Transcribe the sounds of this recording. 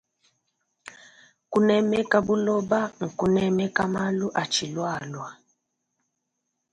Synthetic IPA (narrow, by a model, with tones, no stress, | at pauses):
ku˦nɛ˦mɛ˦ka˦bu˦lɔ˦ba˦ŋ̩˨ku˦nɛ˦mɛ˦ka˦ma˦lu˦ʔa˨t͡ʃi˨lwa˦˨lwa˨